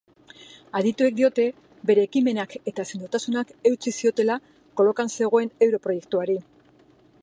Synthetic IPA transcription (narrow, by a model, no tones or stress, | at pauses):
aðit̪ue̞k̚d̪io̞t̪e̞ | be̞ɾe̞ːkime̞nake̞t̪aesend̪ut̪asunake̞wt͡sisio̞t̪e̞la | ko̞lo̞kanse̞ɣ̞o̞e̞ne̞wɾo̞pɾo̞je̞k̚t̪uaɾi